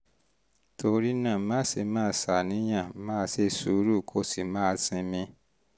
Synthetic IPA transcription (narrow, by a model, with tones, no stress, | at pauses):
tʰo˧ɾi˦nã˦˨˦mãː˦˨se˨˧mãː˦˨sa˨nĩ˨˦j̃ã˦˨˦mãː˦se˧su˨˦ɾu˦˨kʰo˧˦si˨mãː˦sĩ˧mĩ˧